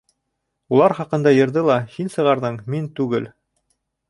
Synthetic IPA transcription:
ulˠɑɾχɑqɤ̆nd̪ɑjɤ̆ɾðɤlˠɑhinsɤ̆ʁɑɾðɤɴmint̪ʉɡɘl

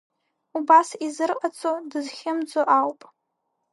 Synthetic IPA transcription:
ubasizɨrqʼat͡sʰʼodɨzχʲɪmd͡zoʔawpʼ

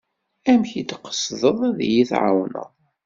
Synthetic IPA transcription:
æmçid̪qːə̥sðəðˤæðjiθʕa̰wnə̰ðˤ

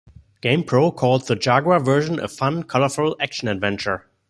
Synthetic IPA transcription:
ɡ̥ẽɪ̃mpʰɹ̥oʊkʰɔlˠd̚ðəd͡ʒaɡwavɜ˞ʒə̃n̩ə̰fʌ̃nkʰɔləfɛl̩ækʃə̃n̩ɨdvɛ̃nt͡ʃə˞

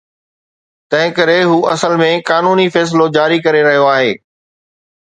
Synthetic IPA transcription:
t̪ɐ̃ɦɪ̃kɐɾeɦuːʔɐsəlmẽkaːnuːnifɛːs̬ɪlod͡ʑaːɾikɐɾeɾɐɦijoaːɦeː

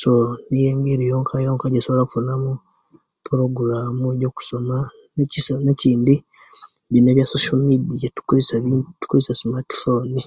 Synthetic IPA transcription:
soonijeːŋɡiɾijoːŋkʰajoːŋkaɟesoβlaku̥funamu | puɾo̞ɡuɾamueɟo̞ːku̥so̞ma | necisaneciːndi | βineːβjasoʃalmidijatu̥kuisatu̥kuɾisasimati̥foni

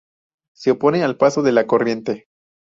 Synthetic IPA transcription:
seopo̞nealpasoðe̞lako̞rje̞nt̪e

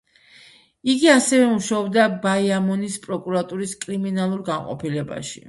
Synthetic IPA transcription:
iɡiasɛvɛmuʃaɔbd̪abaiamɔnispʼɾɔkʼuɾat̪ʼuɾiskʼɾiminalˠuɾɡanqʼɔ̰pʰilɛba̰ʃḭ

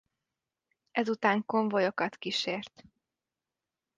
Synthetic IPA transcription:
ɛzut̪aːŋko̞ɱvojokɒt̪kiʃeːrt̪

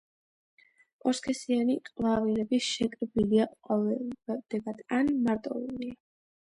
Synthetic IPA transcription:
pʼɔɾskʰɛsianikʼlˠavilɛbiʃɛkʼɾbiliaqʼɔɛbɛd̪̥ɛɡad̪̥anmaɾt̪ʼɔ̰ulia

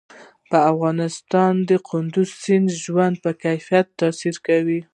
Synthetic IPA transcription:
pəafɣɑnɪst̪ɑnd̪əqʰʊnd̪ʊzsɪnʒwand̪̚pəkajfijat̪ːɑsiɾkawi

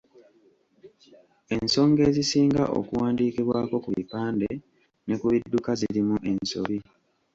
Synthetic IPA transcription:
e̞nso̞ːŋɡe̞ːzisiːŋɡa̰ʔo̰kuwaːndiːkiβwaːko̞kuβḭpaːnde̞ | ne̞kuβidːukaziɾimuʔe̞nso̞̰βi

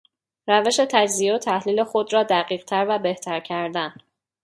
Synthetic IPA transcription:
ɾæve̞ʃe̞t̪ʰæd͡ʒzijeot̪ʰæhliːle̞xo̞d̪rɒːd̪æɢiːɢt̪ʰæɾvæbe̞ht̪ʰæɾcʰæɾd̪æn

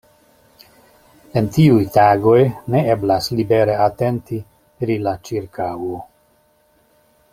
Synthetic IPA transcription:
e̞ntiujtaɡo̞jne̞eblaslibe̞ɾe̞ate̞nti | pɾilat͡ʃiɾkawo

